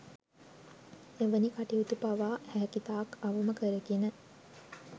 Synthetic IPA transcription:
eʋənikaʈiut̪upaʋaːhæːkit̪aːkaʋəməkəɾəɡinə

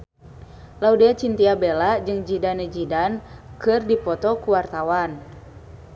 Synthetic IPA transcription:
laudeat͡ʃint̪iabelaʔd͡ʒɨŋd͡ʒidanɛd͡ʒidankɨrdipɔt̪ɔkuwart̪awan

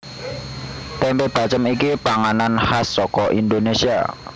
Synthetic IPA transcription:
t̪ɛmpeb̥at͡ʃəmikipaŋananhasːɔkɔʔind̪onesia̰

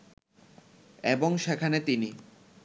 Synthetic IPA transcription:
eboŋʃekʰanet̪ini

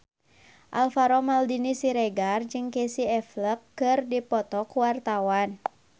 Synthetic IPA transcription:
ʔalfaɾɔmaldinisiɾɛɡard͡ʒɨŋkesiɛfləkːɨrdipɔt̪ɔkuwart̪awan

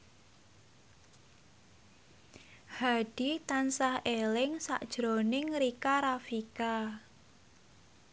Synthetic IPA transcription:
haɖ̥it̪ansahelɪŋsa̰ʔd̥ʒ̥ɾonɪŋɾikaɾafika

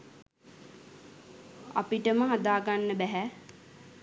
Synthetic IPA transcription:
a̰piʈəməɦad̪aːɡanːəbæɦæ

